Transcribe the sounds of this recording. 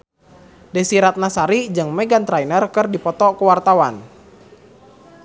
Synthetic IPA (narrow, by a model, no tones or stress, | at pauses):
dɛsiɾat̪̚nasaɾid͡ʒɨŋmɛɡant̪ɾajnərkɨrdipɔt̪ɔkəwart̪awan